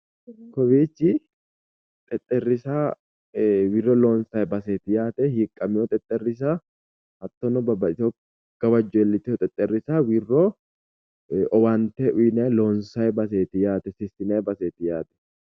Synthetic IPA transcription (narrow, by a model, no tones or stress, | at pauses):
kɔbiːt͡ʃːɪ | t̪ʼɛt̪ʼːɛrːɪsa | wɪrːɔloːnsɐjbɐseːt̪ɪjaːt̪ɛhiːkʼːɐmɪjɔt̪ʼɛt̪ʼːɛrːɪs̬a | hɐt̪ːɔnɔbɐbɐo | ɡ̥ɐbɐd͡ʒɔɛlːɪt̪ɪɔt̪ʼɛt̪ʼːɛrːɪsaːwirːɔ | ʔɔbɐnt̪ɛʔʊjnɐjloːnsɐjbɐseːt̪ɪjaːt̪ɛsɪsɪnɐjbɐseːt̪ɪjaːt̪ɛ̥